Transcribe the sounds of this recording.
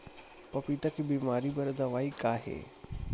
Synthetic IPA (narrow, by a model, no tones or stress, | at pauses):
pɐpiːt̪ɐkʰibiːmaːɾibɐɾd̪aʋaːikaːɦḛː